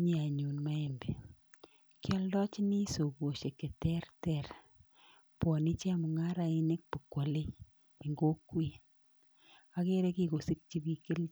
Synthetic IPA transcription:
ɲe˨a˨ɲu˨nma˦e˨mbe˨ | kjɔ˦ldɔ˦t͡ʃi˦ni˦so˨ko˨ʃe˨ke˨tɛ˦rtɛ˨r | pwɔ˨ni˦t͡ʃe˦a˦mu˨ŋa˦ɾa˨ine˦k̚pu˨kwɔ˨leː˦˨ | ŋɡo˦kwi˦ | a˦ke˦ɾe˦ki˦ko˨si˦k̚t͡ʃi˦bi˦kɪ˦l

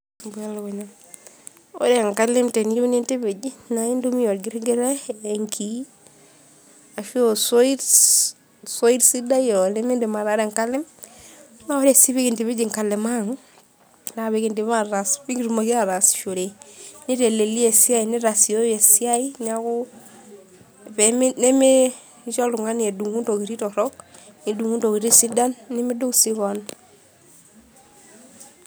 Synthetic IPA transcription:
bwa˦lko˨ɲa˨ | o̰˦ɾe˨ŋka˦le˦mte˨ni˦ne˦nte˦βe˨d͡ʒi˦na˨i˦ndo˦mi˦jɔ˨ɾɡi˦ɾɡe˦ɾɛː˦˨ŋkʰi˦ | a˨ʃi˦oso˦i˦ɾ | so˦i˦ɾsi˦da˦jɔ˨ne˦me˦nde˨ma˨ɾa˨˦ɾe˨ŋka˦le˦m | na˦o˦ɾe˨si˦βe˦ki˨nte˨βe˦d͡ʒi˨ŋka˨le˨ma˦ŋ | na˨βe˦ɣi˦ndi˨βa˦ɾa˨sβi˦ŋɡi˦ɾu˨ma˨ɣi˦a˦ɾa˨si̥˨ʃo˨ɾe˨ni˦ɾe˨le˨li˦e˨si˦a˦i˨ni˦ɾa˨si˨o˦je˨si˦a˦i˦na˦ɣu˦ | βe˨m˦ne˦me˦ | ʃo˦lu˨ŋa˦ni˨e˨du˨ŋu˦ndo˨ɣi˨ɾi˦ɾɔ˨ɾɔ˦kni˨du˨ŋu˦ndo˨ɣi˨ɾi˦si˦da˦nːi˦mi˦do˦si˦ɣɔ˨n

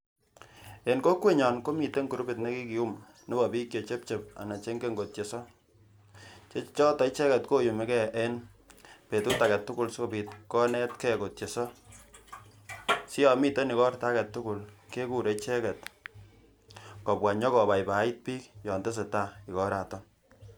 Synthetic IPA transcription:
e˨nko˦kwe˦ɲɔ˨nko˦mi˨te˦ŋku˨ɾu˦be˨tne˦ki˦ki˨u˦m | ne˦bɔ˨pi˦kjo˨t͡ʃe˦p̚t͡ʃe˨p̚a̰˨na˨t͡ʃe˦ŋɡe˦ŋɡo˨tje˨sɔ˦ | t͡ʃe˦t͡ʃɔ˦tɔ˨˦t͡ʃɛ˦kɛ˨tko˦ju˨me˨˦kɛ˦e˦n | pe˨tu˦ta˨kɛ˨tːʊ˦kʊ˦˨lso˦pi˨t̚kɔ˦nɛ˦tkɛ˦ko˨tje˨sɔ˦ | sɪ˦jɔ˨mi˦te˦nɪ˨kɔ˦rta˦kɛ˨tːʊ˦kʊ˨lke˦ku˦ɾe˨˦t͡ʃɛ˦kɛ˨t | kɔ˨pwa˨ɲɔ˦kɔ˨ba˨jpa˨˦i˦t̚piː˦kjɔ˨nte˦s̬e˨ta˦˨ɪ˨kɔ˦ɾa˨tɔ˦

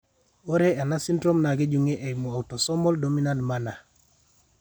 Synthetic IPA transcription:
o˦ɾe˦ɛ˨na˦si˦ndɾo˦mna˨ɡe˦d͡ʒu˨ŋe˦ʔe˨i˨mo˨a˨u˨tɔ˨sɔ˦mɔ˦ldo˨mi˦na˦ndma˦na˨

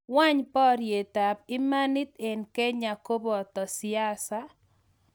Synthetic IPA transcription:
wa˦ɲpɔ˦ɾje˨ta˨b̚ɪ˦ma˦nɪ˦t̪e˨nkɛ˦ɲa˨ko˦bɔ˨t̪ɔ˨sɪ˨a˦sa˦

